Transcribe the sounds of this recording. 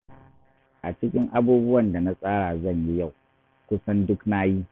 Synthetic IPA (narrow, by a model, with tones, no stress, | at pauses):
ʔa˨t͡ʃɪ˦kʲɪ˦ŋʔa˦buː˦bʊ˦wɐ˨nda˨na˦sʼaː˦ɽa˨zɐ˦˨ɲji˦ja˦˨w | kʷʊ˦sɐ˦ndʊ˦knaː˦jiː˦